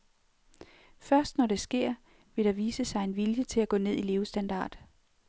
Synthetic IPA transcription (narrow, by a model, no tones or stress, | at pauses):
fɶɐsd̥nɒɾe̝sɡ̥e̝ɐ̰ | ʋe̝ɾ̥ɑ̈ʋiːsəsɑ̈ɪe̝nʋiljət͡sʰe̝læɡ̥ɔ̰̽ːne̝ð̰ˠile̝ːʊsd̥ænd̥ɑ̰̈ːd̥